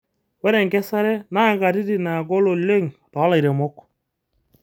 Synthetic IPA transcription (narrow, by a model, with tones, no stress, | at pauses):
wɛ˦ɾe˨ŋkɛ˦sa˦ɾɛ˦na˦ɡa˨ɾi˦di˦˨na˨ɡo˦lo˨le˦ŋtɔ˨˦la˨i˨ɾe˨mo˦k